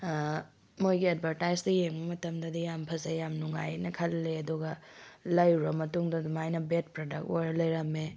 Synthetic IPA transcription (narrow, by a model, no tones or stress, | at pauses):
mojɡiat̚bʱɐɾtajzdɐjeŋbɐmɐtɐmdɐdijampʰɐzejamnuŋa̰jnɐkʰɐlːeɐduɡɐ | lɐjɾɐmɐtuŋdɐdumajnɐbet̚pɾodɐk̚tojɾɐlɐjɾɐme